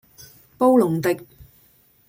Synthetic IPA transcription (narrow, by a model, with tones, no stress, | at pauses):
po˥wlʊ˨˩ŋt̪ɪ˨k̚